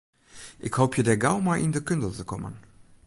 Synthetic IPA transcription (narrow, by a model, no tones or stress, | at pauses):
ʔɪkhowpʰjədɛɡawmajʔɪndəkʏndəlˠtəkɔmə̰n